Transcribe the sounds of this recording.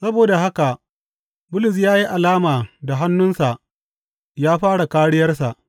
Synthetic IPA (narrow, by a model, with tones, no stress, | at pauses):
sɐ˦boː˨da˨ɦa˦ka˨ | bʊ˦lʊ˨s̬jaː˦ji˦ʔa˨laː˦maː˨da˨ɦa˦nːʊ˦nsa˨ʔ | jaː˦ɸaː˦ɽa˨kaː˦ɽɪ˦jɐ˦rsa̰˨ʔ